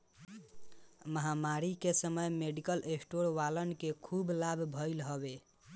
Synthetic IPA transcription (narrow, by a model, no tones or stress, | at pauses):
məɦamaɾikesəməjmeɖikəlʔesʈoɾʋalənkekʰublabʱbʱəɪlɦəbe